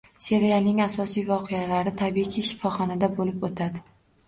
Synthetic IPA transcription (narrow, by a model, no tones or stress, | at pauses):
se̞ɾealnɪŋasɒsijvɒqʰejalaɾɪt̪ʰabiqʰiʃɪ̥fɒχɒnad̪abolɪpot̪ʰad̪ɪ